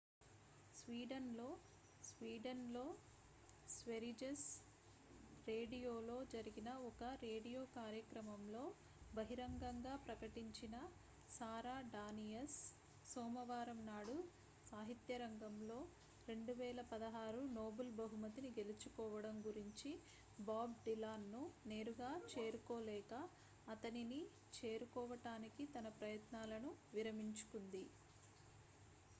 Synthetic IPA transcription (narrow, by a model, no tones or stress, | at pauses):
sʋiːɖɐnlo̞ː | sʋiːɖɐnlo̞ː | sʋeɾid͡ʒes | ɾe̞ːɖijoːlo̞ːd͡ʒɐɾiɡinɐɔkɐɾe̞ːɽijo̞ːkaːɾjɐkɾɐmɐmlo̞ː | bɐɦiɾɐŋɡɐŋɡaːpɾɐkɐʈiɲt͡ʃinɐ | saːɾaːɖaːnijɐsː | ɔːmɐʋaːɾɐmnaːɽu | saːɦit̪jɐɾɐŋɡɐmlo̞ː | ɾe̞ɳɖuʋɛːlɐpɐd̪ɐɦaːɾunoːbɐlbɐɦumɐt̪iniɡe̞lit͡ʃukɔːʋɐɽɐmɡuɾiɲt͡ʃi | baːb̚ɖilaːnːune̞ːɾuɡaːt͡ʃe̞ːɾukɔːlɛːkɐː | t̪ɐnini | t͡ʃeːɾukɔːʋɐʈaːnikit̪ɐnɐpɾɐjɐt̪naːlɐnuʋiɾɐmiɲt͡ʃu̥kund̪i